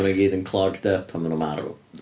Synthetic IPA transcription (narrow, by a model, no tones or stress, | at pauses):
ənəɡiːdənkʰlˠɔɡdəpʰamənəmaɾṵ